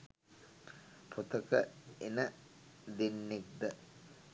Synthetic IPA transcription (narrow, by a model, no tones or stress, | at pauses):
pʰot̪əkəenə | d̪enːek̚d̪ə